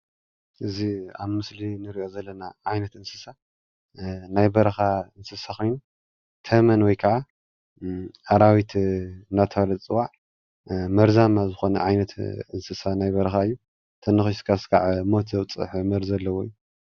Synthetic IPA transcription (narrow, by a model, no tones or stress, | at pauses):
ʔɨziaβmɨslinɨɾiʔo̞zɐlːɐnaʕajnɐt̪ɨnsɨsa | najbɐɾɐxaɨnsɨsaxojnu | t̪ʰɐmɐnwɔjkʰɐʕa | ʔaɾawit̪ʰɨnːat̪ʰɐalɐt͡sʼɨwaʕ | mɐɾzamazɨxo̞nɐ̰ʕajnɐt̪ɨnsɨsanajbɐɾɐxaɨjːu | t̪ʰɐnːɨxiʃkʰaskʰaʕmot̪ʰzɐwt͡sʼɨ̰ħmɐɾzɐlːɐwojːu